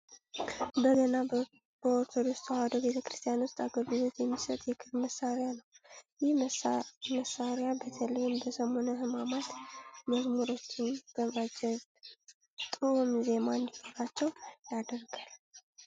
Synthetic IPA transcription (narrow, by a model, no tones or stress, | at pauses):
bəɡəna | b̥əoɾt̪ʰod̪ost̪had̪obe̞t̪ʰəkɾɨst̪ʰijanwʊst̪ʼaɡəlɡɨlo̞t̪jɛmːisət̪ʼjɛkʰɨɾməsːaɾjanəwjɪh | məsːaɾjabət̪ʰəlɨjɪmbəsəmo̞nəhɨmamat̪məzmuɾo̞t͡ʃːɪnb̥əvad͡ʒɛ | t̪ʼumze̞mand̪ihoɾat͡ʃːɛwjad̪əɾɡal